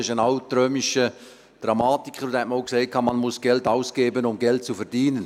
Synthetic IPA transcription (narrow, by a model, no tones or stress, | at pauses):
ɪʃənawtɾœːmiʃə | d̥ɾɑmaːtikχəɾʊd̪hɛt̚məaʊkseɪt̚kʰɑːmɑnmʊsɡ̥ɛltaʊsɡ̥eːbənʊmɡɛlt̚t͡sufɛɾdiːnən